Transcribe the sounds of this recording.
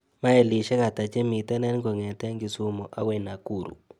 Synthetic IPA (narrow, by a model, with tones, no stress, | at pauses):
ma˦e˨li˨ʃɛ˦ka˨ta˨t͡ʃe˦mi˨tɛ˦nɛ˦nkɔ˨ŋɛ˨tɛ˦ŋɡi˨su˦mɔ˨ʔa˦wɛ˨na˨ku˦˨ɾṵ˨